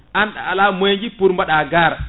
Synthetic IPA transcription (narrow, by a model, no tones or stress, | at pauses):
ʔanɗa̰alamojd͡ʒipuɾmbaɗaɡaɾ